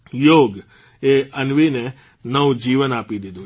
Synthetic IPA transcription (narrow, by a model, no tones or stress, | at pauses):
joːɡ | eənʋine | nəʋd͡ʒiːʋənaːpid̪ɪd̪o